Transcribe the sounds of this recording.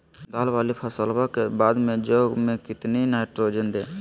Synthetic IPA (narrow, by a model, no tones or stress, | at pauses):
d̪aːlʋaːlipʰəsəlbakebaːd̪mẽd͡ʒoːɡmẽkɪt̪ninaːɪʈɾoːd͡ʒənd̪eː